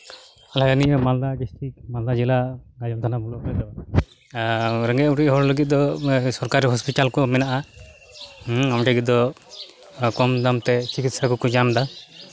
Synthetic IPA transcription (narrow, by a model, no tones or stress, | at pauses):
alajaniʔɔmald̪ad͡ʒesʈikmald̪ad͡ʒilaɡad͡ʒɔmt̪ʰanabɔlɔkɾɛd̪ɔ | ɾɛŋɡɛtuʈiʔɦɔɽləɡit̪̚d̪ɔsɔɾkaɾiɦɔspit̪alkɔmɛnaʔa | amʈaɡit̪̚d̪ɔ | kɔmd̪amt̪ɛt͡ʃikit̪sakɔkɔd͡ʒamd̪a